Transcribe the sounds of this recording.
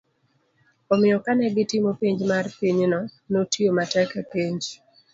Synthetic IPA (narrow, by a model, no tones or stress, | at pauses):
ɔmɪjɔkanɛɡɪtɪmopiɲd͡ʒmarpiɲnɔnotiomatɛkakiɲd͡ʒ